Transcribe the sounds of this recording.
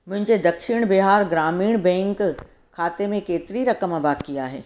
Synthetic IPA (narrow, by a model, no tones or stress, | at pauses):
mʊ̃ɦɪ̃ɲd͡ʑed̪ɐkʃɪɽ̃bɪɦaːɾɡɾaːmiːɽ̃bɛ̃ːŋk | kʰːaːt̪emẽkeːt̪ɪɾiɾɐkəmɐbaːkiaːɦḛː